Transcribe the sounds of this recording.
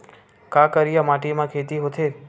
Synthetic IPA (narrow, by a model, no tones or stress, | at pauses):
kakəɾijamaːʈimãkʰeːt̪iɦot̪ʰe